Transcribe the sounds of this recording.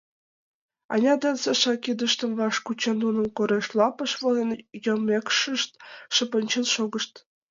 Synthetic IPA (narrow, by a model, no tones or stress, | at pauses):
ɑ̰nʲɑd̪ɑnseʃɑkid̪ə̆ʃt̪ə̆mvɑʃkut͡ɕɑnunə̆mkoɾeʃlˠɑpɤ̆ʃβolenjomekʃə̆ʃt̪̚ʃə̆pə̆nʲt͡ɕenʃoɣə̆ʃt̪